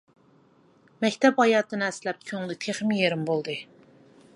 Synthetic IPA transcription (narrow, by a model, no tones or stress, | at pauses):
mɛkʲt̪ʰɛphɑjɑːt̪ɨnɨɛslɛp̚kʲʰøŋlɪt̪ʰeχmɪjeɾɪmbolˠd̪ɨ